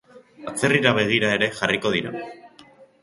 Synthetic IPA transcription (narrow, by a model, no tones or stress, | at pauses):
at͡se̞riɾaβ̞e̞ɣ̞iɾae̞ɾe̞ʝariko̞ð̞iɾa